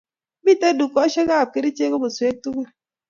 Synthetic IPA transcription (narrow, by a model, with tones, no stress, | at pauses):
bi˦te˦du˨kɔ˨˦ʃe˦ka˦˨p̚ke˦ɾi˦t͡ʃe˦ko˦bo˨su˨e˦tu˦ke˦